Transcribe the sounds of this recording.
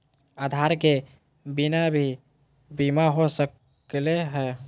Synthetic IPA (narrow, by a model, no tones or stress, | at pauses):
ad̪ʱaɾke | binabʱi | bimaɦosək | leɦɛː